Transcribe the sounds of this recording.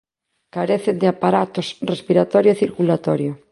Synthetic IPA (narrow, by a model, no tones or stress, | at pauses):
kaɾeθend̪ɪapaɾat̪osrespiɾat̪ɔɾjoeθiɾkulat̪ɔɾjo